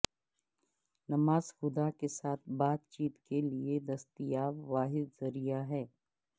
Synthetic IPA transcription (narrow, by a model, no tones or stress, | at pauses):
nɐmaːz̥xʊd̪akesaːt̪ʰbaːt̪t͡ʃiːt̪kelied̪ɐst̪ijaːʋaːɦɪd̪zɐɾijaɦɛː